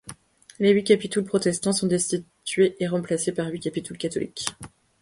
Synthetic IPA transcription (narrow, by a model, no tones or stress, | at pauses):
leɥikʲapit̪ulpχɔt̪ɛst̪ɑ̃sɔ̃d̪ɛst̪i | t̪ɥeʔeʁɑ̃plasepaʁɥikʲapit̪ulkat̪ɔlḭkʲ